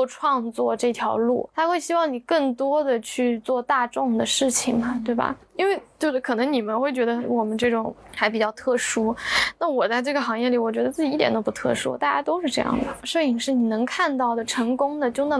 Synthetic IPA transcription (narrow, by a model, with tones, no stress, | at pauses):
ʈ͡ʂʰwɑ˥˧ŋt͡swɔ˥˧ʈ͡ʂɤ˥˩t̪ʰjɑ˧˥ʊlṵ˥˩t̪ʰa˥xwe˥˩ɪɕi˥wɑ˥˩ŋni˨˩kɤ˥˩ŋt̪wɔ˥d̪ə˨t͡ɕʰy˥˧t͡swɔ˥˧t̪a˥˧ʈ͡ʂʊ˥˩ŋd̪ə˩ʂɻ̩˥˩t͡ɕʰi˨˩ŋmɐ˩t̪we˥˩ɪbɐ̰˩ | i˥nwe˥˩ɪt͡ɕjo˥˧ʂ̩˥˩kʰɤ˨˩nɤ˧˥ŋni˨˩mə˦nxwe˥˩ɪt͡ɕɥɛ˧˥d̪ə˧wɔ˨˩mə˦nʈ͡ʂɤ˥˩ʈ͡ʂʊ˨˩˦ŋ | xa˧˥ɪpi˨˩t͡ɕjɑ˥˧ʊt̪ʰɤ˥˩ʂu˥na˥˩wɔ˨˩t͡sa˥˧ɪʈ͡ʂɤ˥˩ɡə˩xɑ˧˥ŋjɛ˥˩li˨˩˥wɔ˨˩t͡ɕɥɛ˧˥d̪ə˧t͡sɹ̩˥˩t͡ɕi˨˧i˥t̪jɛ̰˧˥nd̪o˥pu˧˥t̪ʰɤ̰˥˩ʂṵ˥t̪a˥˩t͡ɕja˥t̪o˥ʊʂɻ̩˥˧ʈ͡ʂɤ˥˧jɑ̰˥˩ŋd̪ə˩ʂə˥˩i˥˨˩ʂɻ̩˥˩ni˨˩nɤ˧˥ŋkʰa˥˧nt̪ɑ˥˩ʊd̪ə˩ʈ͡ʂʰɤ˧˥ŋkʊ˥ŋd̪ə˨t͡ɕjo˥˧ʊna˥˩